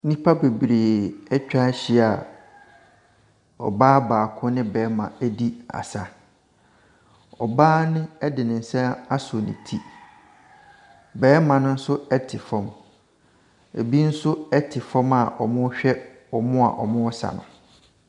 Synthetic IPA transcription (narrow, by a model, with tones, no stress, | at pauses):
nĩ˦pʰa˦be˨bɾeː˨ɛ˦t͡ɕᶣa˦ɕi˦a˨ | ɔ̰˨baː˦baː˨kʰʊ̃˦nɪ̃˦bɛː˨˦mã˨æ˦di˦a̰˨sa˨ | ɔ˨baː˦nɪ̃˦ɛ˦dɪ˨nɪ̃˨n̩˨sɛ̃˦a˦sʊ˨nɪ̰̃˨tʰi˦ | bɛː˦mã˨nʊ̃˦n̩˦sʊ˦ɛ˦tʰɪ˨fɔ̃˨m | ḛ˨bi˦n̩˦sʊ˦ɛ˦tʰɪ˨fɔ̃˦ma˨ʔɔ̰˨mʊ̃˦ɕᶣɛ˦ | ɔ˨mʊ̃˦a̰˨ʔɔ̰˨mʊ̃˦ɔ˦sa̰˨nʊ̰̃˨